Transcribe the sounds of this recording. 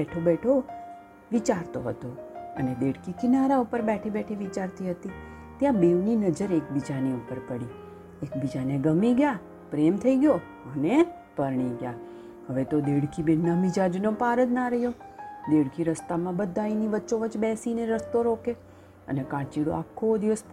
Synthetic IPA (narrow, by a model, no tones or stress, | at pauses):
ɛʈʰobɛʈʰo | ʋit͡ʃaɾt̪oɦət̪oə̰ned̪eɽkikɪnaɾaupəɾbɛʈʰibɛʈʰiʋit͡ʃaɾt̪iɦət̪i | t̪jãbeʋninəd͡ʒəɾek̚bid͡ʒaneupəɾpəɽi | ekbid͡ʒaneɡəmiɡja | pɾemt̪ʰəiɡjo | əne | pəɾɳ̃iɡja̰ | ɦəʋet̪od̪eɽkʰibenːamɪd͡ʒad͡ʒnopaɾət̪naɾəɦjod̪eɽkʰiɾəst̪amãbəd̪ʱainiʋəːʃoʋət͡ʃbɛsineɾəst̪oɾoke | ə̰nekãt͡ʃiɽo̰akʰːod̪iʋəs